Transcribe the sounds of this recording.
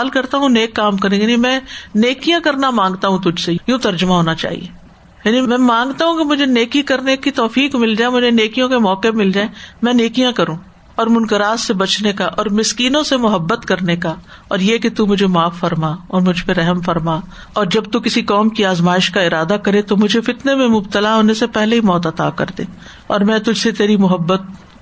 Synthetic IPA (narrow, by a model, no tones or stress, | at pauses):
aːlkɐɾt̪aɦũneːkːaːmkɐɾẽɡeimɛ̃ːneːkijãkɐɾnamãːŋɡt̪aɦũt̪ʊd͡ʒʱsejũːt̪ɐɾd͡ʒʊmaɦoːnat͡ʃa̰ːɦḭḛː | jaːnimɛ̃ːmãːŋɡt̪aɦũkemʊd͡ʒʱeneːkikɐɾnekit̪ɔːfiːkmɪld͡ʒaːemʊd͡ʒʱeneːkijõkemɔːkemɪld͡ʒaːẽmɛ̃ːneːkijãkɐɾũː | ɔːɾmʊnkəɾaːzsebɐt͡ʃnekaʔɔːɾmɪskiːnõsemʊɦəbːət̪kɐɾneka | ɔːɾjeket̪umʊd͡ʒʱemaːfːɐɾmaːɔːɾmʊd͡ʒʱpeɾɛɦɛmfɐɾma | ɔːɾd͡ʒɐb̚t̪ukɪsikɔːmkiaːzmaːɪʃkaɪɾaːd̪akɐɾet̪omʊd͡ʒʱefɪt̪nemẽmʊbt̪əlaɦoːnesepɛɦleimɔːt̪ɐt̪a̰ːkɐ̰ɾd̪eː | ɔːɾmɛ̃ːt̪ʊd͡ʒʱset̪eːɾimʊɦəbːət̪̚